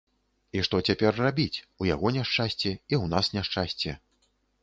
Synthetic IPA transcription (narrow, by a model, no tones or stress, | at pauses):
iʂt̪ɔt͡sʲapʲɛrrabʲit͡sʲuja̰ɣɔnʲaʂt͡ʂasʲt͡sʲɛiwnasnʲaʂt͡ʂasʲt͡sʲɛ